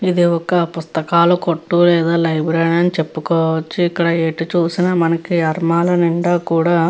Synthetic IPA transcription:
id̪iɔkɐpust̪ɐkaːlukoʈːuːlɛːd̪aːlɐjbɾejɳɐnit͡ʃe̞pːukɔːʋɐt͡ʃːiːkːɐɽɐeːʈit͡ʃuːsinɐmɐnɐkiɐɾmaːlɐniɳɖaːkuːɽaː

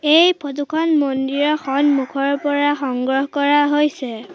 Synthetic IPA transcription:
ejpʰot̬ukʰɔnmondiɹɔxɔnmukʰɔɹpɔɹaxɔŋɡɹɔɦɔkɔɹaɦojsɛ

